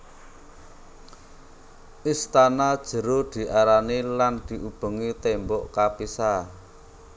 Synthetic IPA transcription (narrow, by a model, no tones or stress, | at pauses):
ʔist̪anad̥ʒ̥ə̤ɾod̪̥i̤ʔaɾaniland̪̥i̤ʔub̥ə̤ŋit̪embɔʔkapisa